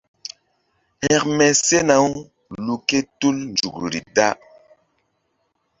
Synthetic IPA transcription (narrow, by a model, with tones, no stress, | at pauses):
hɛ˨kmɛ˨se˦na˨˦w | lu˨ke˦tu˦lnd͡ʒṵ˨kɾḭ˨da˦